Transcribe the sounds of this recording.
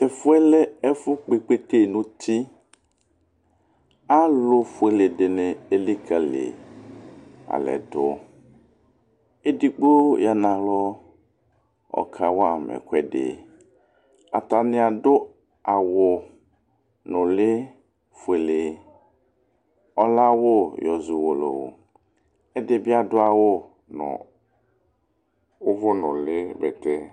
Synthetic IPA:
e˨fʊ˦ɛ˦lɛ˦ɛ˦fʊ˦k͡pe˨k͡pe˦t̪e˦˨nũ˨˦t̪i˦ | a˦lo˦fʊ˦e˨le˨ɖe˨nɛ̃˨e˦li˦ka˨lḛ˨ | a̰˨lɛ̰˨dʊ˦ | e˦di˦k͡po˦ja˨nã˨lɔ˦ | ɔ̰˨kʰa˨wo˦a˨mɛ̰˨kʷɛ˦ɖḛ˨ | a̰˨ta˨nɪ˨a˨dʊ˦ | a˨wʊ˨ | nʊ̃˨lɪ˦ | fe˨lɪ˨ | ɔ˦la˦wʊ˦jɔ˨zʊ˨wo˨lo̰˨wʊ̰˨ | ɛ˦dɪ˦bɪ˦a˦dʊ˦a˨wʊ˦ | nʊ̰̃˨ | ʊ˦vʊ˦nʊ˨lɪ˦bɛ˨tɛ˦

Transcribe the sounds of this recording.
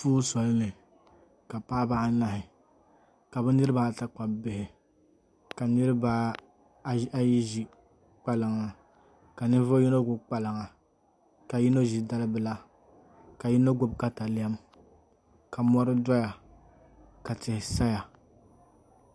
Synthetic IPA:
fuː˦sɔ˨lɨ˦nɨ˨ | ka˨paː˦ba˦ʔna˨hɪ˨ | ka˨bɛ˦nɨ˦ɾɨ˦ba˦˨ta˦˨k͡pa˨bɪ˨hɪ˨ | ka˨nɨ˦ɾɨ˦ba˦ | a˦ji˦ʒi˦ | k͡pa˦lɨ˨ŋa˨ | ka˨nɨ˦vʊ˦ji˦no˦ɡʊ˨bk͡pa˨lɨ˨ŋa˨ | ka˨ji˦no˦ʒi˨da˦lɨ˦bɨ˨la˦ | ka˨ji˦no˦ɡʊ˦bka˦ta˨lɪ˦a˦m | ka˨mɔ˦ɾɨ˦dɔ˦ja˨ | ka˨tɪ˨hɪ˨sa˦ja˨

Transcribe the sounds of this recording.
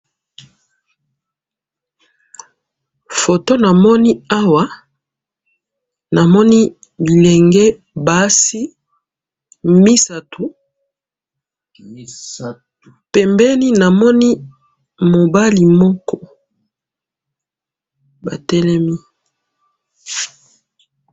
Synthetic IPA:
fo˨to˦na˨mɔ˦ni˦a˦wa˨˦ | na˨mɔ˦ni˦ | li˨lɛ˨ŋɡɛ˦ | ba˨˦si˦ | mi˦sa˨tu˨˦ | pɛ˨mbɛ˦ni˦na˨mɔ˦ni˦ | mo˨ba˦li˨mɔ˦kɔ˦ | ba˨tɛ˦lɛ˦mi˦

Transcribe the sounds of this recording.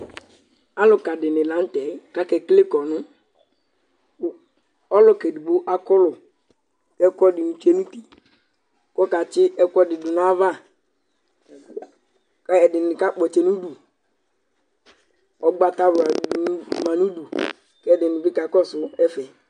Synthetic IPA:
a˦lʊ˨ka˨dɪ˨nɪ˨la˨˦n˦tɛ˨˦ka˦kɛ˨kle˦kɔ˨nʊ˦ | ɔ˦lʊ˨kɛ˨du˨ɡ͡bo˦ʔa˦kɔ˦lʊ˨ | kɛ˦kɔ˦dɪ˨nu˨t͡ʃe˦nũ˦ti˨ | kɔ˦ka˨t͡ʃɪ˦ɛ˦kɔ˦dɪ˨dʊ˨n˦a˦va˦ | kɛ˨dɪ˨nɪ˨ka˦k͡pɔ˨t͡ʃɛ˨nu˦du˨ | ɔ˨ɡ͡ba˦ta˦ba˨du˨n˦ma˨nu˦du˨ | kɛ˦dɪ˨nʊ̃˨bɪ˦ka˨˦kɔ˦sʊ˦ɛ˦fɛ˨

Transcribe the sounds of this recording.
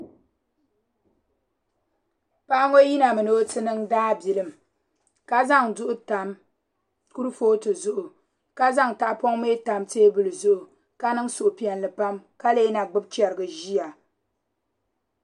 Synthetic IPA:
pa˦ʔa˦ŋo˦ji˦na˨mɨ˨no˦tɨ˦nɨ˦ŋdaː˦bi˨lɨ˦˨m˨ | ka˦za˦ŋdʊ˦ʔʊ˦ta˨m | ku˦ɾɨ˦foː˦tɨ˨zʊ˦ʔʊ˨ | ka˦za˦ŋta˨ʔpo˦ŋme˦ta˨mteː˦bɨ˨lɨ˨zʊ˦ʔʊ˨ | ka˦nɨ˦ŋsʊ˨ʔʊ˨pi˨ɛ˨nlɨ˨pa˦mka˦leː˦na˨ɡ͡bɨ˦b̚t͡ʃɛ˨ɾɨ˨ɡɨ˨ʒi˦ja˨

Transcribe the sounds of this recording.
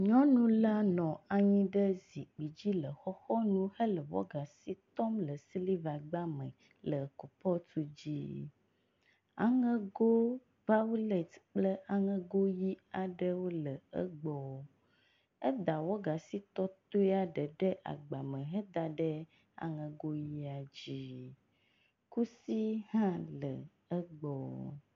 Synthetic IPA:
ɲɔ̃˦nũ˦la˦nɔ̃˨a˨ɲĩ˦ɖə˦zi˨k͡pi˨d͡ʑi˦lə˨xɔ˦xɔ˦nũ˦hə˦lə˨wɔ̰˦ɡa˨si˦t̪ɔ˦mlə˨si˦li˦va˨ɡ͡ba˦mə̰̃˨ | lə˨ko˨pɔ˦t̪u˦d͡ʑi˦ | a̰˨ŋɛ̃˦ɡo˦ | va˦wu˦le˨t̪k͡plə˦a˨ŋɛ̃˦ɡo˦ji˦a˨ɖə˦wo˦lə˨ə̰˦ɡ͡bɔ˨ | ɛ˦d̪a˨wo˦ɡa˨si˦t̪ɔ˦t̪o˦ɛ˦a˦ɖə˨ɖɛ˦ʔa̰˨ɡ͡ba˨mɛ̃˨ɦɛ˦d̪a˨ɖɛ˦ | a̰˨ŋɛ̃˨ɡo˦ji˦a˨d͡ʑi˦ | ku˦si˦hã˦lə̰˨ | ə˦ɡ͡bɔ˨

